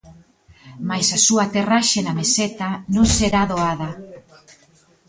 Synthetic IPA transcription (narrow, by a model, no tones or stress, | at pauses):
majsasuat̪eraʃenameset̪anõŋseɾaðoað̞a